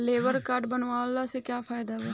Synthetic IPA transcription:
leːʋəɾkaːɖbənʋãːlaːseːkjaːpʰaːɪd̪aːʋaː

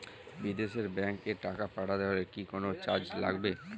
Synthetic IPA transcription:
bid̪eʃeɾbɛŋkeʈakapaʈad̪eaɾekikonot͡ɕaɾd͡ʑla̰ɡbe

